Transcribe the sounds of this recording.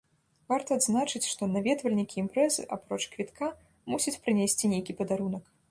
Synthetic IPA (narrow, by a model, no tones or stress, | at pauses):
vart̪ɐːd̪znat͡ʂɨt͡sʲʂt̪ɔnavʲɛt̪vɐlʲnʲikʲiːmpɾɛzɨ̰ʔapɾɔt͡ʂkvʲit̪kʰa | musʲɐt͡sʲpɾɨnʲesʲt͡sʲinʲejkʲipɐd̪aɾunɐk